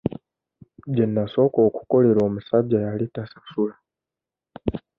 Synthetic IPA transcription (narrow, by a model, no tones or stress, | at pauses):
ɟenːaso̞koːku̥ko̞le̞ɾo̞ːmusaɟajalitasḁsula